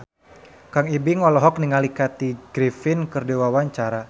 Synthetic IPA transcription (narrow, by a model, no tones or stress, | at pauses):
kaŋibɪŋɔlɔɦɔk̚niŋalikat̪iɡ̥ɾifɪnkərdewawaɲt͡ʃaɾa